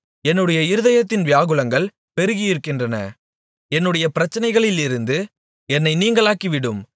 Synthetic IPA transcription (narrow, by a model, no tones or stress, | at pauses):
ɛnːɯɽɐjɐɪɾɯðɐjɐt̪ːɪnʋɪjaːɣɯlɐŋɡɐɭ | pɛɾɯɣɪjɪɾɯkːɪndrɐnɐ̰ | ɛnːɯɽɐjɐpɪɾɐt͡ʃːɐnɐɪɣɐɭɪlɪɾɯnd̪ɯ | ɛnːɐɪniːŋɡɐɭaːkiʋɪɽɯm